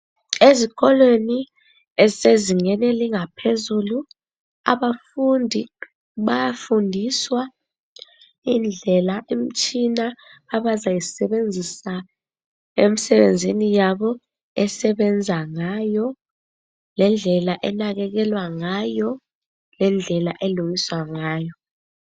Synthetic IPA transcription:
ezik̬ɔlweni | ɛseziŋɛnɛliŋapʰezulu | a̰ɓafundʱi | ɓajafundʱiswa | ind͡ɮʱɛlaʔem̩t͡ʃʰʼinaːɓazajisɛɓend͡zʱisa | emisɛɓend͡zʱinijaɓɔ | ɛsɛɓɛnd͡zʱaŋajɔ | lɛnd͡ɮʱɛlaʔɛnak̬ɛk̬ɛlwaŋajɔ | lɛnd͡ɮʱɛlaʔɛlujiswaŋaːjɔ

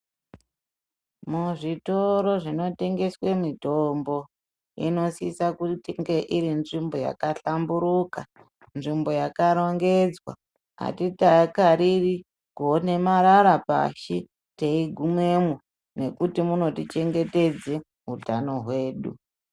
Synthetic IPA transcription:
muʐito̞ɾo̞ʐino̞te̞ŋɡe̞swe̞mitombo̞ | ḭno̞siisakutiŋɡe̞ʔiɾinʐimbo̞ja̰kaɬambuɾuka | nʐimbo̞jakaɾo̞ŋɡe̞d͡zwa̰ | a̰titakaɾiri | kone̞maɾaɾapa̰ʃi | teiɡʱume̞mu | ne̞kutimuno̞tit͡ʃe̞ŋɡe̞te̞d͡ze | ɦutano̞ɦwe̞ːɗu

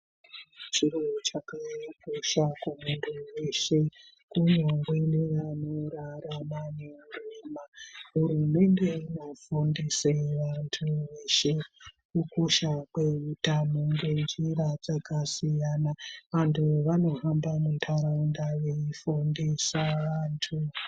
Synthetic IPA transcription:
t͡ʃiɾot͡ʃakajikoʃakumuntʰuweʃe̞ | kuɲoŋɡweneʋanoɾaramaneuriːmaɦurume̞nde̞ino̞fundiseʋantʰuʋeʃekukoʃakwe̞utanoŋɡwend͡ʒiɾad͡zakasijanaʋantʰuʋano̞ɦambamuntʰaɾaundaʋe̞ifundisaʋaːntʰu

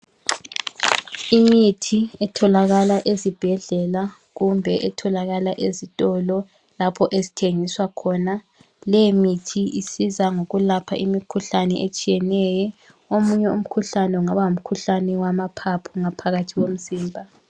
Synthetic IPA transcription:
imitʰiɛtʰɔlaɣalaʔezib̥ʱɛɮɛla | ɣumbʱɛʔɛtʰɔlaɣalaʔezitʼɔlɔ | lapʰɔʔezitʰeŋiswakʰɔna | lɛmitʰiʔisizaŋoɣulapʰa̰ʔimikʰuɬanɛ̰ʔet͡ʃʼijɛnɛjɔ | omuɲɛum̩kʰuɬanɛuŋaβaum̩kʰuɬanɛwamapʰapʰuŋapʰaɣatʰiɣom̩ziːmbʱa

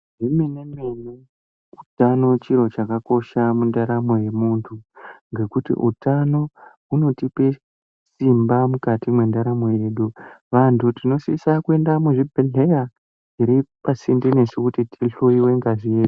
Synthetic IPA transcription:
imenemeni | utano̞t͡ʃiɾo̞t͡ʃakako̞ʃamundaɾamo̞je̞muntʰuŋɡe̞kutḭʔṵtano̞ | uno̞tipe̞ | simbamukatimwe̞ndaɾamo̞je̞ːɗuʋantʰutino̞sisakue̞ndamuʐibʱeɮe̞ja | iɾipasindine̞sekutitʰiɬuiwe̞ŋɡazije̞ːɗu

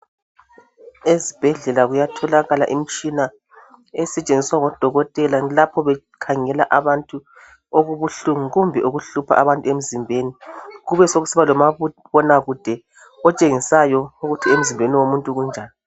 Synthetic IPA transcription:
ezib̥ʱɛɮɛlaɣujatʰɔlaɣala̰ʔim̩t͡ʃʼina | ɛsɛt͡ʃʼend͡zʱiswaɣɔd̥ʱɔɣɔtʼɛlalapʰɔβɛ | kʰaŋɛlaʔaβantʼu | oɣuβuɬuŋuɣumbʱɛʔuɣuɬupʰa̰ʔaβantʼuem̩zimbʱeniɣuβɛsoɣusiβalɔmaβɔnaɣud̥ʱɛ | ɔt͡ʃʼeŋisajɔuɣutʰiem̩zimbʱeniwomuntʼuɣund͡ʒʱaːni

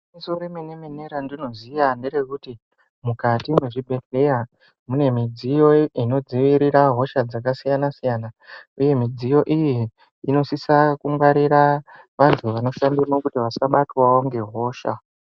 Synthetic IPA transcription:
misoɾimenemeneɾandino̞zijanderekuti | mukatimeʐibʱe̞ɬeja | mune̞mid͡zijo̞ino̞d͡ziʋiɾiɾaɦo̞ʃad͡zakasijanasijaːnauje̞mid͡zijo̞ʔijiː | no̞sisakumwaɾiɾa | ʋantʰuʋano̞ʃandimokutiʋasaɓatwawoŋɡe̞ɦo̞ːʃa̰

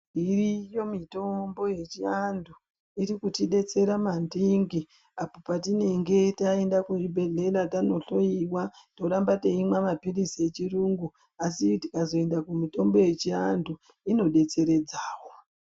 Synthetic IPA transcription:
irijo̞mito̞mbo̞je̞t͡ʃiandʱu | iɾikutiɗe̞t͡se̞ɾamandiŋɡi | apopatine̞ŋɡe̞tae̞ndakuibʱe̞ɮe̞latano̞ɬo̞iwwato̞ɾambateimwamapirisie̞t͡ʃiruŋɡu | asiti̥kazo̞e̞ndakumito̞mbo̞je̞t͡ʃiandʱu | ino̞ɗe̞t͡se̞ɾe̞d͡zaːwo̞

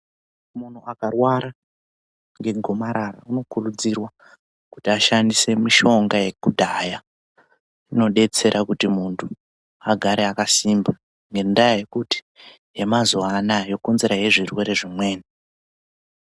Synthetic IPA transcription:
mun̤uakarwaɾa | ŋɡe̞ɡʱo̞maɾara̰uno̞kurud͡zirwa | kutiaʃandise̞miʃo̞ŋɡaje̞kudʱaja | ino̞ɗe̞t͡se̞ɾʔakutimuntʰu | aɡʱaɾe̞akasimba | ŋɡe̞ndajaje̞kuti̥ | je̞mazuanajo̞konze̞ɾaje̞ʐirwe̞ɾe̞ʐimwe̞ːni

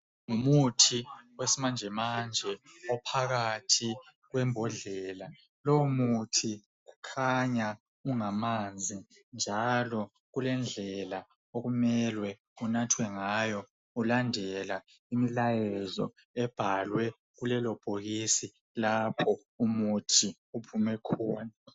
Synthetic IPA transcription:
ŋumutʰiwesimand͡ʒʱɛmand͡ʒʱɛɔpʰaɣatʰi | ɣwɛmbʱɔɮɛːla | lɔmutʰi | ɣukʰaɲa | uŋamand͡zʱi | nd͡ʒʱalɔ | ɣulɛnd͡ɮʱɛla | oɣumɛlwɛ | unatʰwɛŋajɔ | ulandʱɛla | imilajɛzɔ̰ | ɛb̥ʱalwɛ | ɣulɛlɔb̥ʱoɣisi | lapʰɔ | umutʰi | upʰumɛkʰɔːna

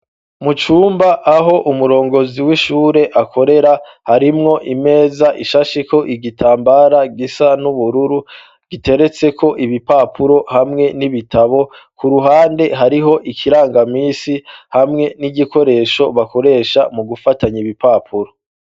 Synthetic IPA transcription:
mut͡ʃuːmbaʔːɦo̞ʔumuɾo̞ːŋɡo̞ziwiʃuːɾe̞ʔakʰo̞ɾe̞ɾa | haɾimŋo̞ʔime̞ːzaʔiʃaʃiko̞ʔiɡitʰaːmbaɾaɡisanuβuɾuɾu | ɡ̥ite̞ɾe̞t͡se̞kʰo̞ʔiβipapʰuɾo̞hamŋe̞niβitʰaβo̞ | kuɾuɦaːnde̞ɦaɾiɦo̞ʔikʰiɾaːŋɡamiːsihamŋe̞niɟiko̞ɾe̞ːʃo̞βako̞ɾe̞ːʃamuɡufataɲiβipapʰuɾo̞

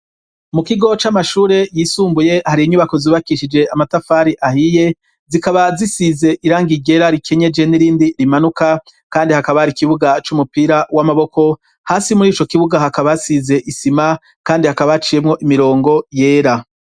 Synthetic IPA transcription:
mukiɡo̞t͡ʃamaʃuːɾe̞jiːsuːmbuje̞haɾiːɲuβako̞ziβakiʃid͡ʒe̞amatafaːɾiʔahije̞ | zikaβazisize̞ʔiɾaːŋɡiɟe̞ɾaɾikʰe̞ɲe̞d͡ʒe̞niɾiːndiɾimanuka | kaːndihakaβahaɾikiβuɡat͡ʃumupiɾawamaβo̞ko̞ | haːsimuɾiːt͡ʃo̞kiβuɡahakaβasize̞ʔisima | kaːndihakaβat͡ʃijemŋo̞ʔimiɾo̞ːŋɡo̞je̞ːɾa

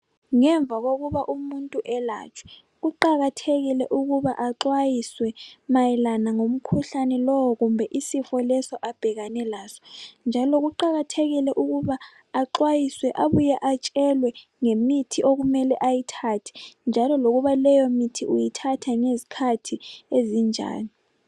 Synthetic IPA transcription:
ŋɛɱb̪vʱaɣoɣuβaʔumuntʼuʔɛla̰ːt͡ʃʰwɛ̥ | ɣuǃaɣatʰeɣilɛʔuɣuβaʔaǁwajiswɛmajɛlanaŋom̩kʰuɬanɛlɔwɔɣumbʱɛʔisifɔlɛsɔʔab̥ʱɛɣanɛlaːsɔ̥nd͡ʒʱalɔɣuǃaɣatʰeɣilɛʔuɣuβaː | ǁwajiswɛʔaβujɛʔat͡ʃʼɛlwɛ | ŋemitʰiʔoɣumɛlɛʔajitʰatʰi̥nd͡ʒʱalɔloɣuβalɛjomitʰiʔujitʰatʰaŋezikʰatʰiezind͡ʒʱa̰ːni

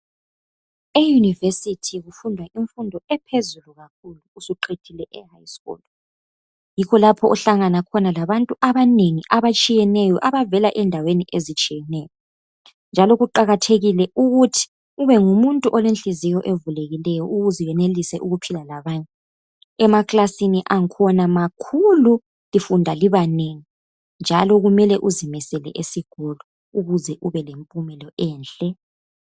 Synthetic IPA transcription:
ejunivesitʰiɣufundʱwaʔiɱfundʱɔɛpʰezuluɣakʰuluːsuǃʰetʰilɛʔɛhajskɔ̰lɔ | jikʰɔlapʰɔʔɔɬaŋanakʰɔnalaβantʼuʔaβaneŋiʔaβat͡ʃʼijɛnɛjɔʔaβavɛlaʔɛndʱaweniʔezit͡ʃʼijɛnɛːjɔ | nd͡ʒʱalɔɣuǃaɣatʰeɣilɛuɣutʰi̥ | uβɛŋumuntʼuʔɔlenɬizijɔʔevuleɣilɛjɔuɣuzijɛnelisɛʔuɣupʰilalaβaɲʼɛ | ɛmakʼlasiniʔaŋkʰɔnamakʰulu | lifundʱaliβaneŋi | nd͡ʒʱalɔɣumɛlɛʔuzimɛsɛlɛ̰ʔesiɡ̥ʱɔlɔ | uɣuzɛʔuβɛlempʼumɛlɔʔɛːnɬɛ

